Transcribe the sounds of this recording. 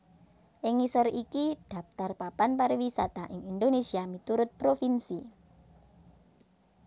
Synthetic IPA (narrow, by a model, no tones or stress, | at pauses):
ʔɪŋisərikid̪̥a̤p̚t̪arpapanpaɾiwisa̰t̪aʔɪŋind̪onesiamit̪uɾʊt̪̚pɾofinsi